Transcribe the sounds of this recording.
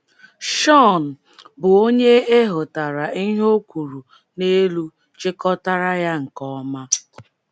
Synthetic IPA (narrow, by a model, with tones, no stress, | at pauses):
ʃɔ˦˨n̩˨ | bʊ˨o˦ɲe˦e˦ɦʊ˨ta˨ɾa˨i˦ɦo˦kʷu˨ɾu˨ | ne˦lu˦ | t͡ʃɪ˦kɔ˦ta˦ɾa˦ja˦ŋ̩˨kɔ˦ma˦